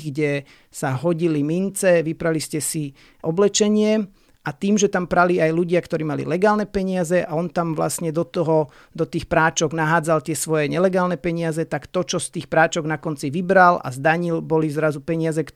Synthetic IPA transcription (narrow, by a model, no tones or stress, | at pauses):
ɡɟɛ | saɦɔɟilimint͡sɛʋipɾaliscɛsi | ʔɔblɛt͡ʃɛɲɪɛ | ʔat̪iːmʒɛt̪ampɾaliajluɟɪakt̪ɔɾiːmalḭlɛɡaːlnɛpɛɲɪazɛʔaɔnt̪amʋla̰sɲɛd̪ɔt̪ɔɦɔ | d̪ɔt̪iːxpɾaːt͡ʃɔɡnaɦaːd͡zalt̪ɪɛsʋɔjɛɲɛlɛɡaːlnɛpɛɲɪazɛt̪akt̪ɔt͡ʃɔst̪iːxpɾaːt͡ʃɔɡnakɔnt͡siʋibɾala̰zd̪aɲilbɔlizɾazupɛɲɪazɛk